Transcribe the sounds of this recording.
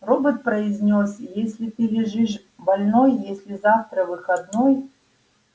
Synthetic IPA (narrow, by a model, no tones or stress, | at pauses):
robɨt̪̚pɾɐɪzʲnʲosʲjesʲlʲɪt̪ɨlʲɪʐɨʂ | bɐlʲnojjesʲlʲɪzaft̪ɾəvɨxɐd̪noj